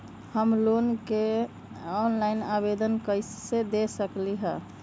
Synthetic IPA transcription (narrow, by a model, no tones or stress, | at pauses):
həmlonke | ɔnlaɪnabed̪ənkəjssed̪esəkliɦə